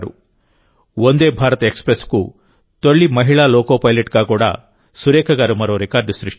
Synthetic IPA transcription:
ɾṵ | ond̪eːbʱaːɾɐt̪ɐekspɾesku | t̪oɭːimɐɦiɭaːloːkoːpɐjleʈɡaːɡuːɽa̰ | suɾeːkʰɐɡaːɾumɐɾoːɾekaːɾɖusɾiʂʈ

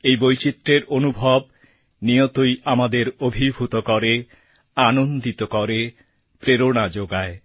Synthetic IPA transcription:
ejbojt͡ɕit̪ːɾeɾonubʱɔb̚ | nijot̪ojamad̪eɾobʱibʱut̪okɔɾe | anond̪it̪okɔɾe | pɾeɾoɽ̃ad͡ʑoɡae

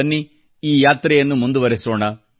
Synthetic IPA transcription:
ɐnːi | iːjaːt̪ɾɛjɐnːumund̪uʋɐɾɛsɔːɳɐ

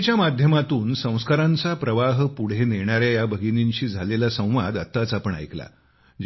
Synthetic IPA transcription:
t͡ɕjamad̪ʱjəmat̪uːnsə̃w̃skaɾãnt͡sapɾəʋaɦpuɽ̤eneɳ̃aɾjajabʱəɡiniɲɕiːd͡zʱalelasə̃w̃ʋad̪ət̪ːat͡sapəɳa̰jkla̰ | d͡ʑ

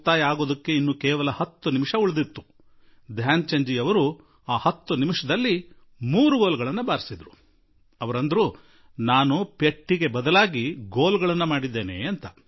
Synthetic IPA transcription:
t̪aːjaːɡoːd̪ɐkːe̞inːukɛːʋɐlɐhɐt̪ːunimiʂɐuɭɐd̪it̪ːu̥ | d̪ʱjaːnt͡ʃɐɲd͡ʒiɐʋɐɾu | aːhɐt̪ːunimiʂɐd̪ɐlːi | muːɾuɡoːlɡɐɭɐnːɐbaːɾisid̪ɾu | ɐʋɐɾɐnd̪ɐɾu | naːnupeʈːiɡe̞bɐd̪ɐlaːɡiɡoːlɡɐɭɐnːɐmaːɽid̪ːe̞ːne̞̰ɐnt̪ɐ

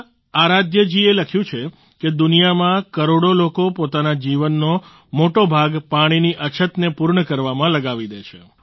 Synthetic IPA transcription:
aɾad̪jəd͡ʒieləkʰjũt͡ʃʰe | ked̪ʊnijamãkəɾoɽolokopot̪anad͡ʒiʋənːo | moʈobʱaɡpaɽ̃iniʔət͡ʃʰət̪nepuɾɳəkəɾʋamãləɡaʋid̪et͡ʃʰḛ

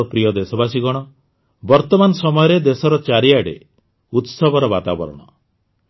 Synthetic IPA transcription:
pɾijɔd̪esɔbasiɡɔɽ̃ɔ | bɔɾt̪ɔmanɔsɔmɔjɔɾed̪esɔɾɔt͡ʃaɾiaɽḛ | ut̪sɔbʱɔɾɔbat̪abɔ̰ɾɔ̰ɽ̃ɔ

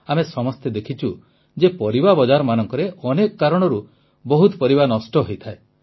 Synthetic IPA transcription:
amesɔmɔst̪ed̪ekʰit͡ʃʰu | d͡ʒepɔɾibabɔd͡ʒaɾɔmanɔŋkɔɾeɔnekɔkaɾɔɽ̃ɔɾu | bɔɦut̪ɔpɔɾibanɔsʈɔɦojt̪ʰae

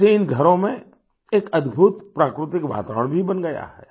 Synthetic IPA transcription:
seːnɡʱɐɾõmẽ | eːkɐd̪bʱut̪pɾaːkɾɪt̪ɪkʋa̰ːt̪əɾəɽ̃bʱibɐnɡɐja̰ɦɛ̰ː

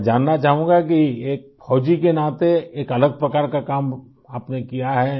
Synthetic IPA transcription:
d͡ʒaːnːat͡ʃaːɦũːɡak̬ieːk̚fɔːd͡ʒikenaːt̪eeːkɐləɡ̚pɾɐkaːɾkakaːm | aːpnekijaɦɛː

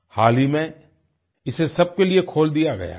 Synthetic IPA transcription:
haːlimẽ | ɪsesɐb̚keliekʰoːld̪ijaɡɐ̰ja̰ː

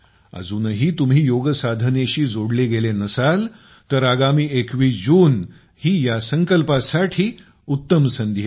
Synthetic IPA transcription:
ə̰d͡zuːnɦiːt̪um̤ɦiːjoɡəsad̪ʱəneɕiːd͡zoɽleɡelenəsal | t̪əɾaɡamiːekʋiːsd͡ʑuːn | hiːjasəŋkəlpasaʈʰiː | ut̪ːəmsənd̪ʱje

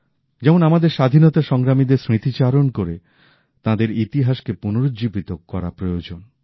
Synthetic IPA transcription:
d͡ʑɛmonamad̪eɾʃad̪ʱinɔt̪aʃɔŋɡɾamid̪eɾsɾit̪it͡ɕaɾonkoɾe | t̪ãd̪eɾit̪iɦaʃkepunoɾod͡ʑibit̪okkːɔɾa̰pɾojod͡ʑon

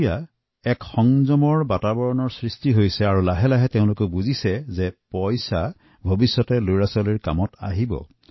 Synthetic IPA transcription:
ja | ɛkxɔŋzɔmɔɹbatabɔɹɔnɔɹsɹistiɦojsɛaɹulaɦɛlaɦɛteʊ̃lʊkobuzisɛzɛpɔjsa | bʱobisːɔtɛluɹasɔliɹka̰mɔta̰ɦibɔ̰

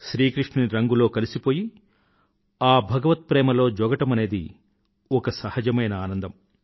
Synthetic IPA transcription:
ʃɾiːkɾiʂɳɐɾɐŋɡulo̞ːkɐlisipoːji | aːbʱɐɡɐʋɐt̪̚pɾɛːmɐlo̞ːd͡ʒɔːɡɐʈɐmɐne̞ːd̪i | ɔkɐsɐhɐd͡ʒɐmɐjnɐaːnɐnd̪ɐm

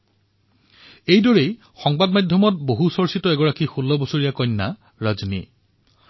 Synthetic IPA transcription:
ejdɔɹej | xɔŋbadmajdʱɔmɔt̚boɦusɔɹsitɔɛɡɔɹakixulːɔbosoɹijakɔjnːa | ɹazni

